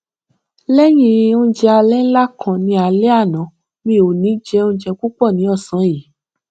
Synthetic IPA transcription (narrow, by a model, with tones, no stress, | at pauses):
lɛ˦j̃ĩ˦˧o˦d͡ʒɛ˧a˧lɛ˦n̩˦la˦kʰã˨nĩ˧a˧lɛ˦a˦˨nã˨˦ | mĩ˦˨o˨nĩ˨˦d͡ʒɛ˧o˦d͡ʒɛ˧k͡pu˦k͡pɔ˦˨nĩ˨˦ɔ˦˨sã˨˦ji˨˦